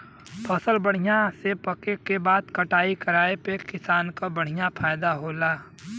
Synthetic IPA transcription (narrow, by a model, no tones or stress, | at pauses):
pəsəlbəɽ̤ijãsepəkekebaːd̪̚kəʈaːikəɾaːepekɪsaːnkabəɽ̤ijapʰaːjd̪aɦoːlaː